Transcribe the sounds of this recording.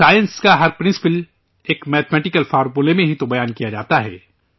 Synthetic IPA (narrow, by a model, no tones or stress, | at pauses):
saːjə̃nskaɦɐɾpɾɪ̃nsɪ̥pəl | eːkmɛːt̪ʰmɛːʈɪkəlfaːɾpulemẽɦit̪obɐjaːnkijad͡ʒaːt̪aɦɛ̰ː